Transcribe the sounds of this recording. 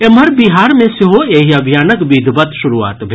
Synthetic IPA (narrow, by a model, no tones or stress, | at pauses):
emɐɾbiɦaːɾmẽseɦoeːɦiɐbʱijaːnəkbiːd̪ʱbɐt̪ʃʊɾuːa̰ːt̪bʱe